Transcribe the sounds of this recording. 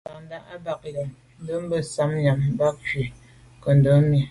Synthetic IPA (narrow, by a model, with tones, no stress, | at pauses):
a˨n˦da˦ʔa˦ba˨k̚la˨m | n̩˦də˦m̩˦bə˦sa˦m˦ɲa˨m˦ba˦k̚ki˨ | kə˨n̩˨də˦mi˨